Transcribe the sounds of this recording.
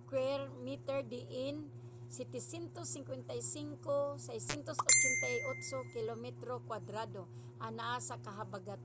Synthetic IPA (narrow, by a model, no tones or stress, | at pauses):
kwɛɾmit̪ɛɹd̪ɪʔɪn | sɛt̪ɪsjɛnt̪osːɪŋkwɛnt̪ajsiŋkosajsjɛnt̪osot͡ʃɛnt̪ajot̪sokɪlomɛt̪ɾokwad̪ɾad̪o | ʔanaʔasakaɦabaɡat̪